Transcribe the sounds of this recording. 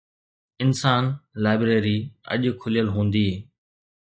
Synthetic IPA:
ɪnsaːnlaːɪbɾeːɾiɐ̰ʄkʰʊlijəlɦũːnd̪iːɦeː

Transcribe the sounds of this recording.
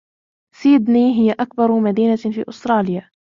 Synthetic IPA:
siːd̪niːɦɪjːaʔak̚bɑɾˤmad̪iːnafḭːʔʊst̪ɾˤɑːlɪja

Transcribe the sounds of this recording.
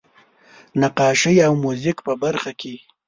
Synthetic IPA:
naqɑːʃəjawmuzɪkpəbaɾxakʰe

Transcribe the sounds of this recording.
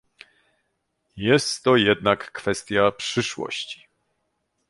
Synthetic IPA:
jɛst̪ːɔjɛd̪nakːfɛst̪ʲjapʂɘʂwɔ̰ɕt͡ɕi̥

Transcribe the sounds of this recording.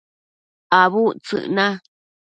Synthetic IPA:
aβut͡sɨ̰ʔnã

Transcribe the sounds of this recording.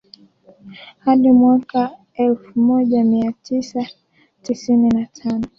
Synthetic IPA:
haɗimwaka | ɛlfumɔʄamiatʰisa | tisininatʰanɔ

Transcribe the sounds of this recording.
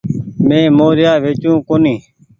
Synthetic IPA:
mẽːmoːɾɪjaːʋeːt͡ʃũːkoːniː

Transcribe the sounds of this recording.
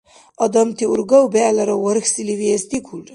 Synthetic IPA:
ɐd̪ɐmt̪iuɾɡɐwbeːlɐɾɐwɐɾxsiliʋiest̪ikʰuɖ

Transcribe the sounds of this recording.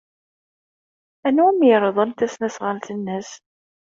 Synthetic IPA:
ænuæmjɾˤəðˤənt̪æsnæsʁalt̪ənːəs

